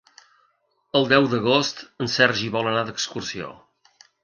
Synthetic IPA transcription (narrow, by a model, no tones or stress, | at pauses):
əlˠd̪ɛwd̪əɣ̞ost̪ənsɛrʒiβɔlˠənaðəkskursio̰